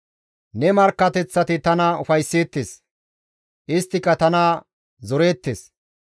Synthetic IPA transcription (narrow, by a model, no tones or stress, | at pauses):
nɛmɐɾkːɐt̪ɛt͡sːɐt̪ɪt̪ɐnɐʊfɐjsːeːt̪ːeːs | ʔɪst̪ːɪkːɐt̪ɐna | zɔɾe̞ːt̪ːeːs